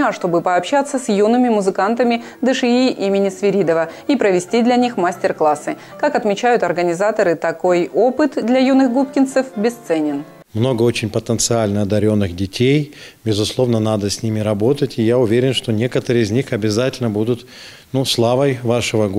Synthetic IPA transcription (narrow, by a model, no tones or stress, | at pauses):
aʂt̪o̞bɨpəɐpɕat̪sːəsʲjunɨmʲɪmʊzɨkant̪əmʲɪ | d̪ɨʂɨiʔimʲɪnʲɪsvʲɪɾʲid̪əvəipɾəvʲɪsʲtʲid̪lʲɐnʲixmasʲtʲɪrklˠasɨ | kakɐt̪mʲɪt͡ɕæjʊt̪ɐrɡənʲɪzat̪əɾɨt̪ɐko̞jo̞pɨt̪d̪lʲɐjunɨxɡupkʲɪnt̪səfbʲɪst̪sɛnʲɪn | mno̞ɡəo̞t͡ɕɪnʲpət̪ənt̪sɨalʲnəɐd̪ɐɾʲo̞nːɨxdʲɪtʲʰej | bʲɪzʊslˠo̞vnənad̪əsʲnʲimʲɪɾɐbo̞t̪ətʲɪjaʊvʲeɾʲɪnʂt̪onʲe̞kət̪əɾɨɪzʲnʲixɐbʲɪzatʲɪlʲnəbud̪ʊt̪ | nuslˠavəjvaʂɨvəɡ